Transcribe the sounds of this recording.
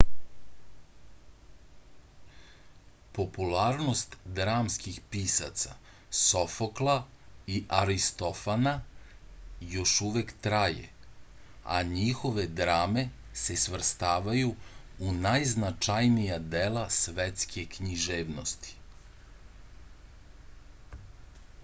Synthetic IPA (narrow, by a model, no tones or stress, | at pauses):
po̞pulˠaːɾnost̪d̪ɾaːmskixpiːsa̰t̪sa̰ | sofoklˠa | iʔaɾist̪o̞fana | jo̞ʃuʋekt̪ɾajḛ | a̰ɲixo̞ʋe̞d̪ɾaːme̞ | se̞sʋr̩st̪aːʋajuunajznat͡ʃajnijad̪elˠasʋet̪skʰekɲiʒeːʋnost̪i̥